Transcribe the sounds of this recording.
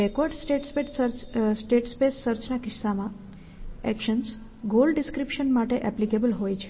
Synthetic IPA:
ekɔɾɖsʈeʈspeʈəɾsʈeʈspesːəɾt͡ʃnakɪsːamã | ɛkʃəns | ɡolɖɖɪskɾipʃənmaʈeʔɛplikebəlɦojt͡ʃʰe̥

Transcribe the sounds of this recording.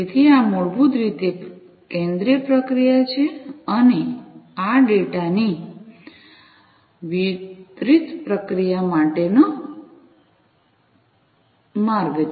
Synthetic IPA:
et̪ʰiamoɭbut̪ɾit̪e | kẽnd̪ɾijəpɾəkɾijat͡ʃʰeəneaɖeʈani | ʋit̪ɾit̪pɾəkɾijamaʈeno | maɾɡ

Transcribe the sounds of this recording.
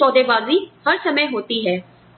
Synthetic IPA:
ɔːd̪eːʋaːziːhəɾsəmə̃ːɦoːt̪iːɦɛː

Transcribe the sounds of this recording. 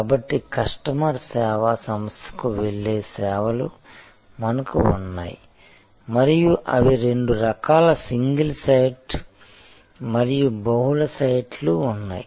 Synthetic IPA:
kaːbɐʈːikɐʂʈɐmaːɾsɛːʋɐsɐmɐst̪ʰɐ̥kuʋeɭːeːsɛːʋɐlu | mɐnɐkṵːnːa̰ːji | mɐɾijuʔɐ̰ʋiɾe̞ɳɖuɾɐkaːlɐsiŋɡɐlsɐjʈ | mɐɾijubɐɦulɐsɐjʈʰluːnːa̰ːji

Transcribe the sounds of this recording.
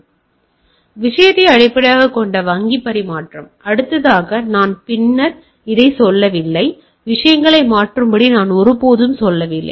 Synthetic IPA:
ʋɪʂɐjɐt̪ːɐɪɐɽɐɪpːɐɽɐjaːɣɐkːɔɳɖɐʋɐŋɡipːɐɾimaːʈrɐmɐɽɯt̪ːɐðaːɣɐnaːnpɪnːɐɾ | ɪðɐɪsɔlːɐʋɪlːɐɪ | ʋɪʂɐjɐŋɡɐɭɐɪmaːʈrɯmbɐɽinaːnɔɾɯpoːðɯmsɔlːɐʋɪlːɐ̰ɪ

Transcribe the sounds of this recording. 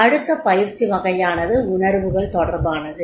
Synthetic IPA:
ɐɽɯt̪ːɐpɐjɪɾt͡ʃːiʋɐɣɐjaːnɐðɯʊnɐɾʋɯɣɐɭt̪ɔɽɐɾbaːnɐðɯ

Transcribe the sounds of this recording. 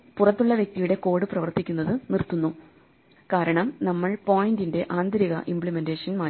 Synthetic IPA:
purɐt̪ːuɭːɐʋje̞k̚t̪ijuɽe̞ko̞ːɽɨprɐʋɐrt̪ikʲːunːɐðɨnirt̪ːunːu | kaːɾɐɳɐmnɐmːɐɭpo̞ːjindinde̞ʔaːnd̪ɾiɣɐ̰ʔimpɭime̞ndeːʂɐnmaː

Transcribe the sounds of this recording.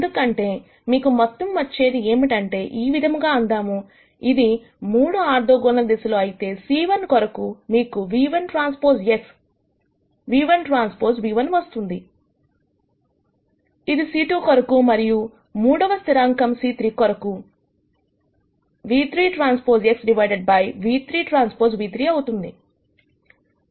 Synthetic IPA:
nd̪ukɐɳʈe̞ː | miːkumɐt̪ːɐmʋɐt͡ʃːe̞ːd̪ie̞ːmiʈɐɳʈe̞ːʔiːʋid̪ʱɐmɡaːuɳd̪aːmu | id̪i | muːɽuaːɾd̪oːɡɔnnɐd̪isuloːɐjit̪e̞ːsiːʋɐnkɔɾɐkumiːkuʋiːʋɐnʈɾaːnspoːɾseks | ʋiːʋɐnʈɾaːnspoːɾsʋiːʋɐnʋɐst̪und̪i | id̪isiːʈukɔɾɐkumɐɾiju | muːɽɐʋɐst̪iɾaːŋkɐmsiːt̪ɾiːkɔɾɐku | ʋiːt̪ɾiːʈɾaːnspoːɾseksɖiʋɐjɖeɖ̚bɐjʋiːt̪ɾiːʈɾaːnspoːɾsʋiːt̪ɾiːɐwut̪und̪i

